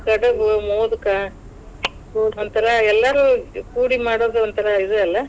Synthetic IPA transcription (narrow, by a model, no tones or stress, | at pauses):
kɐɽɐʋumoːd̪uka | ɔnt̪ɐɾɐɛlːaːɾukuːɽimaːɽoːðɔnt̪ɐɾɐiðɯɐlːɐ